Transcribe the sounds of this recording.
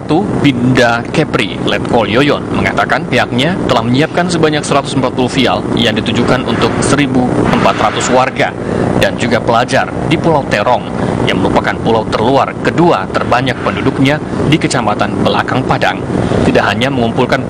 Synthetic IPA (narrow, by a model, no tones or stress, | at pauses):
t̪ubindakɛpɾḭlɛt̪̚kɔljojɔnməŋat̪akanpiɦak̚ɲat̪əlahməɲiap̚kansəbaɲaksəɾat̪u̥səmpat̪̚pulufia̰ljaŋdit̪ud͡ʒukanʔunt̪ʊk̚səɾibuʔəmpat̪rat̪uswarɡa | dand͡ʒuɡapəlad͡ʒardipulawt̪eɾɔŋjaŋməɾupakanpulawt̪ərluarkəduat̪ərbaɲak̚pəndudʊk̚ɲa | dikət͡ʃamat̪anbəla̰kaŋpada̰ŋt̪idaʔɦaɲaməŋumpulkan